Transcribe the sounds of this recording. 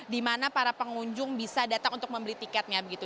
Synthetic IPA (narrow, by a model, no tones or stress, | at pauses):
dimanapaɾapəŋuɲd͡ʒʊŋbisadat̪aŋunt̪ʊ̥k̚məmbəɾit̪ikɛt̪̚ɲabəɡit̪u